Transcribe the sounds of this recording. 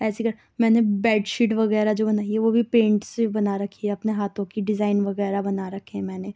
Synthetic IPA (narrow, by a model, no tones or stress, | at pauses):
ɛːsikɐɾ | mɛ̃ːnebɛːɖʃiːʈʋɐɣɛːɾad͡ʒoːbɐnaːiɛʋobʱipẽːɳʈsebɐnaɾɐkʰiɦɛɐpneɦaːt̪ʰõkiɖɪzaːɪnʋɐɣɛːɾabɐnaɾɐkʰeɦɛ̃mɛ̃ːne